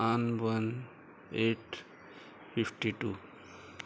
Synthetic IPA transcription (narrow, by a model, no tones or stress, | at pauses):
anʋən | eʈ | fipʈiʈu